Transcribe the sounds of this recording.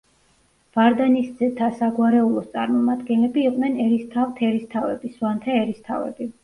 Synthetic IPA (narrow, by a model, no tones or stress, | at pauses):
v̥aɾd̪anisd̪zɛt̪ʰasaɡwaɾɛulˠɔst̪sʼa̰ɾmɔmad̪ɡɛnlɛbiːqʼnɛnɛɾist̪ʰavt̪ʰɛɾist̪ʰavɛ̰bisvant̪ʰɛɛɾist̪ʰa̰vɛ̰bi